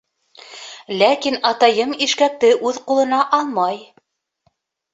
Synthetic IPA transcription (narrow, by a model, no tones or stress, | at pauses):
lækinɑt̪ɑjɤmiʃkæk̚t̪ɘʔʉðqulˠɤ̆nɑʔɑlˠmɑj